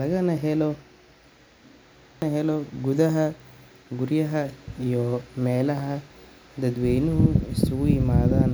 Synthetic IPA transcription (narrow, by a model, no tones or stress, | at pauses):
lɐɣɐnɐɦɛlɔ | ɐɦɛlɔɡʊðɐɦɐ | ɡʊrjɐɦɐijɔmɛːlɐɦɐ | d̪ɐd̪wɛjnɪɦʊɪsʊɣʊjɪmaːðaːn